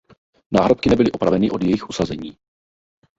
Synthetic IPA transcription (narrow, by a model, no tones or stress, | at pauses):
naːɦɾop̚kɪnɛbɪlɪʔo̞pɾavɛnɪʔo̞djɛjɪxʔusazɛɲiː